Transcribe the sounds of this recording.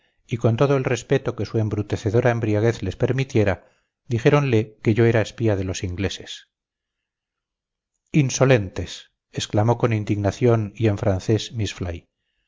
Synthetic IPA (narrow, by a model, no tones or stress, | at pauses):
iko̞nt̪o̞ðoelre̞spe̞t̪o̞ke̞sue̞mbɾut̪e̞θeðo̞ɾʔaembɾiaɣ̞e̞θle̞spe̞ɾmit̪je̞ɾa | d̪ixe̞ɾo̞nle̞ke̞ʝo̞e̞ɾaespiað̞e̞lo̞siŋɡle̞se̞̥s | inso̞le̞nt̪e̞s | esklamo̞ko̞nind̪iɣnaθjo̞nie̞ɱfɾanθe̞smisfla̰j